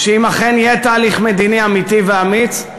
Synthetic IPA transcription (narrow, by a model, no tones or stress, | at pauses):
ʃeimaχenjet̪aːliχmed̪iniamit̪iveamit